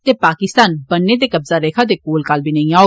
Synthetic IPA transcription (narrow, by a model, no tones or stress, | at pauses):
t̪eːpaːkɪst̪aːnbənːeːd̪eːkəbzaːɾeːkʰãːd̪eːkoːlkalbiːnəĩãːoː